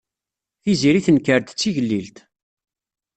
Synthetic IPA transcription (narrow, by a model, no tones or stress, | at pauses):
iziɾiθənkəɾt̪t͡sːiʝəlːilt̪